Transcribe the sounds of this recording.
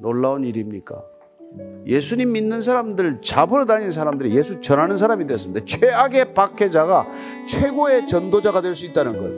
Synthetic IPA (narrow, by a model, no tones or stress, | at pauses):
noɭːaoniɾimɲik͈a̰ | je̞sʰuɲimːinːɯns̬ʰaɾamdɯɭt͡ɕabɯɾɯtaɲins̬ʰaɾamdɯɾije̞sʰut͡ɕʌnɦanɯns̬ʰaɾamideʌs͈ɯmid̪et͡ɕʰweaɡe̞pakʰe̞d͡ʑaɡa | t͡ɕʰwe̞ɡoe̞t͡ɕʌndod͡ʑaɡadwe̞ɭs͈uit̚t͈anɯnɡʌ̰n